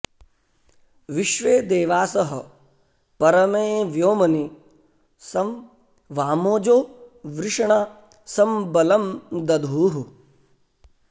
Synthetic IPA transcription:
ʋiʃʋeːd̪eːʋaːsɐɦɐ | pɐɾɐmeːʋjoːmɐni | sɐm | ʋaːmoːd͡ʒoːʋɾɪʂɐɳa | sɐmbɐlɐmd̪ɐd̪ʱuːɦu

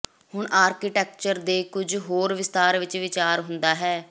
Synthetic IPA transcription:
hʊɳaːɾkiʈɛːk̚t͡ʃəɾd̪eːkʊd͡ʒɦoːɾʋɪst̪aːɾʋɪt͡ʃʋɪt͡ʃaːɾɦʊnd̪aːɦɛː

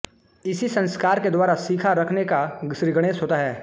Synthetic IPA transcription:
ɪsisɐ̃nskaːɾked̪waːɾasiːkʰaɾɐkʰnekaʃɾɪɡəɽ̃eːsɦoːt̪aɦɛː

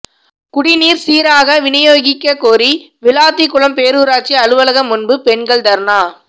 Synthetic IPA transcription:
kʊɽɪniːɾsiːɾaːɣɐʋɪnɐjoːɣɪkːɐkoːɾi | ʋɪlaːt̪ːikːʊɭɐmpeːɾuːɾaːt͡ʃːiɐɻɯʋɐlɐɣɐmʊnbɯpɛnɡɐɭt̪ɐɾnaː

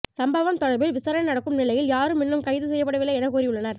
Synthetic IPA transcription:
sɐmbɐʋɐmt̪ɔɽɐɾbɪlʋɪsaːɾɐnɐnɐɽɐkːɯmnɪlɐjɪljaːɾɯmɪnːɯmkɐɪðɯsɛjːɐp̬ːɐɽɐʋɪlɐɛnɐkuːɾiʊɭːɐnɐɾ

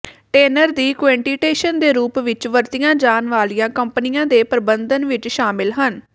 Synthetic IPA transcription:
ʈeːnəɾd̪iːkʋɛ̃ːɳʈiːʈeːʃənd̪eːɾuːpʋɪt͡ʃʋəɾt̪ɪjãːd͡ʒaːnʋaːlijãːkəmpənɪjãːd̪eːpəɾbənd̪ənʋɪt͡ʃʃaːmɪlɦən

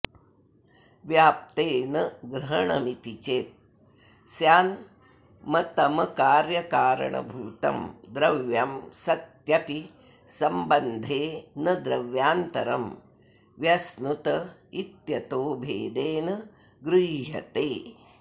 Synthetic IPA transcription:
ʋjaːp̚t̪eːnɐɡɾɐɦɐɳɐ̰mit̪it͡ʃeːt̪̚ | sjaːn | mɐt̪ɐmɐkaːɾjɐkaːɾɐ̰ɳɐ̰bʱuːt̪ɐ̰md̪ɾɐʋjamsɐt̪jɐpi | sɐmbɐnd̪ʱeːnɐd̪ɾɐʋjaːnt̪ɐɾɐm | ʋjɐsnut̪ɐit̪jɐt̪oːbʱḛːd̪eːnɐ | ɡɾiːɦɐ̰t̪eː

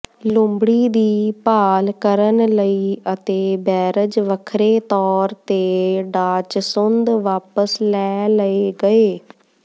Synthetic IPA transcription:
lʊmbɽiːd̪iːpaːlkəɾənləiːət̪eːbɛːɾəd͡ʒʋəkʰɾeːt̪ɔːɾt̪eːɖaːt͡ʃsʊnd̪ʋaːpəslɛːləeːɡəeː

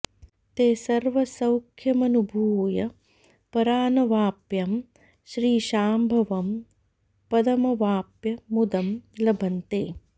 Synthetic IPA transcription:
t̪eːsɐɾʋɐsɐwkʰjɐmɐnubʱuːjɐ | pɐɾaːnɐʋaːpjɐm | ʃɾiːʃaːmbʱɐʋɐm | pɐd̪ɐmɐʋaːpjɐmud̪ɐmlɐbʱɐnt̪eː

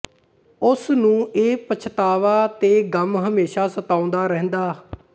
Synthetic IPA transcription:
ʊsnũːeːpət͡ʃʰt̪aːʋaːt̪eːɡəmɦəmeːʃaːsət̪aːʊ̃nd̪aːɾɛ̃ɦnd̪aː

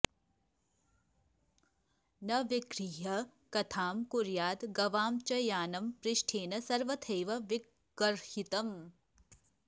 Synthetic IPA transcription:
nɐʋikɾijɐ | kɐt̪ʰaːmkuɾjaːd̪ɡɐʋaːmt͡ʃɐjaːnɐmpɾɪʃʈʰeːnɐsɐɾʋɐt̪ʰeːʋɐʋi | ɡɐɾhit̪ɐm

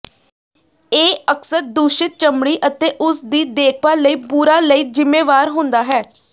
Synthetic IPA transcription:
eːəksəɾd̪uːʃɪt̪̚t͡ʃəmɽiːʔət̪eːʔʊsd̪iːd̪eːk̚ʰpaːləiːpuːɾaːləiːzɪmːeːʋaːɾɦʊ̃nd̪aːɦɛː

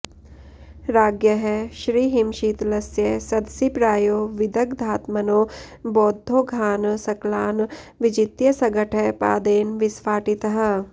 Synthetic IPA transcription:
ɾaːɡjəɦɛʃɾiːɦɪmʃit̪lɐsjɐsɐd̪sipɾaːjoːʋɪd̪ɐkd̪ʱaːt̪mɐnoː | bɔːd̪ʱːoːɡʱaːnsɐklaːn | ʋɪd͡ʒɪt̪jɐsɐɡəʈʰɛpa̰ːd̪eːnʋɪsʋaːʈit̪ɦə̆

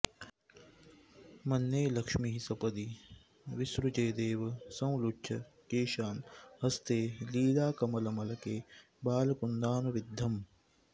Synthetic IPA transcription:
mɐnːeːlɐkʂmiɦisɐpɐd̪i | ʋisɾut͡ʃeːd̪eːʋɐsɐ̃w̃lutːʃʰɐkeːʃaːnɦɐst̪eːliːlaːkɐmɐlɐmɐlɐkeː | baːlɐkund̪aːnuʋid̪ʱːɐm

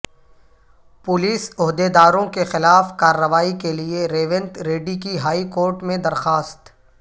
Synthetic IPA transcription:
pʊliːsʊɦd̪ed̪aːɾõkexɪlaːfkaːɾːəʋaːikelieɾeːʋɪ̃nt̪ɾeːɖikiɦaːikoːɾʈmẽd̪ɐɾxaːst̪

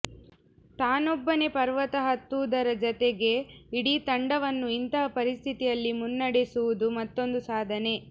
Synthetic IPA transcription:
t̪aːnɔbːɐne̞pɐɾʋɐt̪ɐɦɐt̪ːuːd̪ɐɾɐd͡ʒɔt̪eɡe̞iɽiːt̪ɐɳɖɐʋɐnːuint̪ɐɦɐpɐɾist̪ʰit̪ijɐlːimunːɐɽesuʋud̪umɐt̪ːo̞nd̪usaːd̪ʱɐne̞

